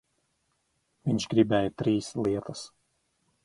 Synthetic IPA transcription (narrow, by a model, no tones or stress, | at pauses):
ʋʲɪnʲʃɡɾʲibʲæːjɛt̪ʲɾʲiːslʲiɛt̪ɐs